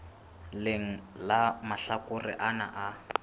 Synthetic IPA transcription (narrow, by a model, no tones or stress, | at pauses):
lɪŋ̩lamaɬakʊrɪ̰ʔana̰ʔa